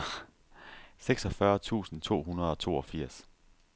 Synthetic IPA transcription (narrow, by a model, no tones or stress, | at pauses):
seɡ̥sɒ̽fɶɐt͡sʰṵːsn̩t͡sʰo̝̰ːɦunɐð̞ˠɒ̽t͡sʰo̝̰ːɒfiɐ̰s